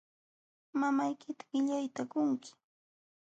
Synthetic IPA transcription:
mamajkɪt̪ḁɢɪʎajt̪akʊŋkɪ̥

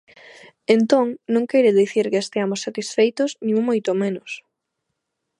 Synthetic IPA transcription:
ent̪oŋnõŋkɛjɾɪðiθiɾkeest̪eamosːat̪isfejt̪ʊznĩŋmojt̪omenʊs

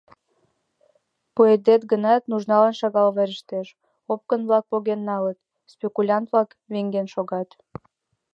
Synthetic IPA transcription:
pued̪et̪̚ɡənɑt̪nuʒnɑlənʃɑɣɑlβeɾəʃt̪eʃ | op̚kənβlɑk̚poɣenːɑlət̪̚ | spʲekulʲɑnt̪βlɑk | βeŋɡenʃoɣɑt̪

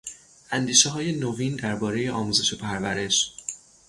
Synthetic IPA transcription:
ʔænd̪iːʃeɦɒːje̞noviːnd̪æɾbɒːɾe̞je̞ʔɒːmuːze̞ʃe̞pʰæɾvæɾe̞ʃ

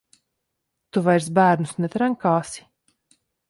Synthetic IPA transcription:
t̪uvajɾs̬bæːɾnusnɛt̪ɾaŋkaːsi̥

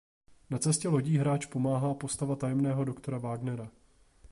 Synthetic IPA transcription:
nat͡sɛscɛlo̞ɟiːɦɾaːt͡ʃpo̞maːɦaːpo̞st̪avat̪ajɛmnɛːɦo̞do̞kt̪o̞ɾavaːɡnɛɾa

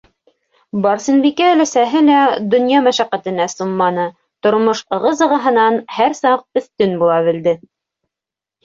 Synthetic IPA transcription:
bɑɾsinbikæːlæsæɦɘlæd̪ɵ̆njɑmæʃæqæt̪ɘ̆næsumːɑnɤ | t̪ŏɾmoʃɤ̆ʁɤzɤ̆ʁɑɦɤ̆nɑnhæɾsɑq̚ɵ̆θt̪ɵnbulˠɑβɘ̆ld̪ɘ

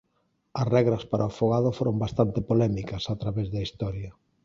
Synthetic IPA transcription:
ɐsrɛɣɾɐspaɾʔɐofoɣaðofoɾombast̪ant̪ɪpolɛmikɐsat̪ɾaβɛzðɐist̪ɔɾjɐ

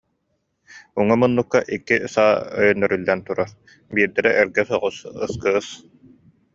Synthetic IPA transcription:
uŋɔmɯnːukːaʔikːisaːœ̰jœnːœɾylːɛnt̪uɾaɾ | biːɾd̪ɛɾɛʔːɾɡɛsɔʁusɯ̰skɯːs

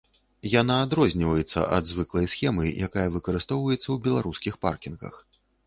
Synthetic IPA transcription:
janaːd̪ɾɔzʲnʲivɐjɛt̪sːɐ̰ʔɐd̪zvɨklˠɐjsxʲɛmɨjakajɐvɨkɐɾɨst̪ɔwvɐjɛt̪sːɐwbʲɛlˠaɾuskʲixpa̰rkʲinɣɐ̰x

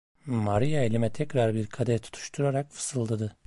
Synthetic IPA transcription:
maɾijaelʲimɛt̪ʰɛcɾaɾbiɾkʰad̪ɛɾt̪ʰu̥t̪ʰu̥ʃt̪ʰuɾaɾakfɯ̥sɯlˠd̪ad̪ɯ

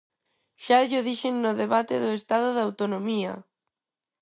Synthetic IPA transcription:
ʃaʎoðiʃeŋːoðeβat̪eðoest̪aðʊðawt̪onomia̰

